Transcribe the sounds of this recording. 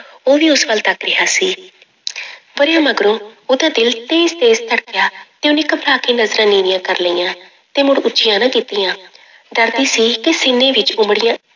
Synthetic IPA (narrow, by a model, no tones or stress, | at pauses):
oːʋiːʊsʋəlt̪əkɾɪɦaːsiː | ʋəɾjãːməɡɾõːoːd̪aːd̪ɪlt̪eːst̪eːst̪əɽkɪjaːt̪eːʊ̃nɪkəbɾaːkiːnəzɾãːniːnɪjãːkəɾləiːãː | t̪ẽːmʊɽʊːt͡ʃɪjãːnãːkiːt̪ijãː | d̪əɾd̪iːsiːkɪsɪnẽːʋɪt͡ʃʊmɽɪjãː